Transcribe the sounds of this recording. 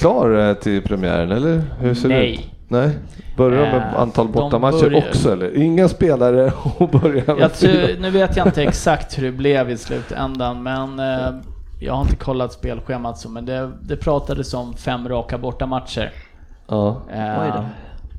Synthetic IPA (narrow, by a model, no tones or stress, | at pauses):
kʰlɑːɾt̪ʰɪlpʰɾɛmɪæ̰ːɾənɛlːəɾhɵseːɾʉɛj | nɛ | bœɾjaɾmmɛa̰nt̪ʰɑːlbɔːamaːəɔksɔɛlːəɾɪŋːaspeːlaɾəɔbœɾjajanʉ̟ːveːt̪jaɪt̪əɛksakt̪hɵɖɛblɛvɪslʉ̟̰ːt̪ʰɛ̰nd̪anmɛn | jɑ̰ɡhaɾɪnt̪əkʰɔlːat̪speːlɧeːmat̪sɔmɛnd̪ɛd̪ɛpʰɾɑːt̪ad̪əsɔmfɛmːɾɑːkabɔʈːamat̪ʂə̰ɾ | ɑː